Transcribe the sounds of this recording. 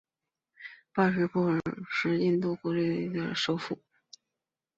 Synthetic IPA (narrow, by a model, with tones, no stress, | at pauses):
pa˥˩ʂɛ˧˥pɔ˥˩˧ʂɻ̩˥˧i˥˧nt̪u˥˩kwɔ˧˥le˥˩ɪd̪ə˩ʂo˥ʊfu˥˩